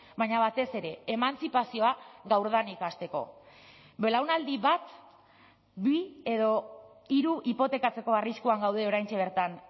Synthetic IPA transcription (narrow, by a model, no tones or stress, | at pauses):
bajɲaβat̪e̞se̞ɾe̞ːmant͡sipasio̞aɣawɾðanikast̪e̞ko̞̰ | be̞lawnald̪iβat̪ | bie̞ðo̞ | iɾuʔipo̞t̪e̞kat͡se̞ko̞ariskuaŋɡawð̞e̞o̞ɾajnt͡ʃe̞β̞e̞ɾt̪an